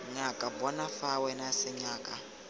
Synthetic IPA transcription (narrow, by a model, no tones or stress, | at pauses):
ɲakʼabɔnafawɛnasɪɲaːkʼa